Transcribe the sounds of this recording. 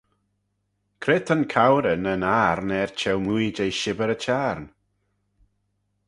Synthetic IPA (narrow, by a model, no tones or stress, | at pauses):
kʰɾɪt̪ʰənkʰawɾənənaːɾnɛɹt͡ʃʰɛwmujd͡ʒejʃɪbəɾət͡ʃʰaɾn